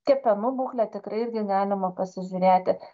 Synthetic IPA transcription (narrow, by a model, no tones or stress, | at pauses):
kʲɛpʲɛnʊbuːxlʲɛt̪ʲɪkɾɐɪɪɾʲɡʲɪɡɑːlʲɪmɐpɐsʲɪʒʲʊɾʲeːt̪ʲɪ